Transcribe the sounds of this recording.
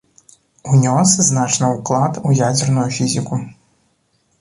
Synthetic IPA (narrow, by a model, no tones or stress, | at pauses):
unʲosznat͡ʃnəuklˠat̪ujadʲɛrnujufʲizʲiku